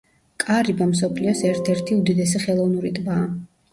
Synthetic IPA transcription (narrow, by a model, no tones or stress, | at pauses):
kʼaɾibamsɔpʰliɔsɛɾt̪ʰɛɾt̪ʰiud̪id̪ɛsɛχɛlˠɔvnuɾit̪ʼbaː